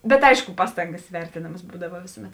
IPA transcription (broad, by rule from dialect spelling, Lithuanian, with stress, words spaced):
bʲɛt ˈɐɪʃkʊ ˈpɑːstɐŋɡɐs ˈʋʲɛrʲtʲeːnɐmɐs ˈbuːdɐʋɐ ˈʋʲeːsʊˌmʲɛt